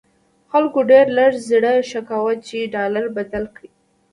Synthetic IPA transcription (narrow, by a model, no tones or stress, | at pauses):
xalkoɖeɾlaɽzɽəʃakawat͡ʃeɖɑlaɾbad̪alkɽi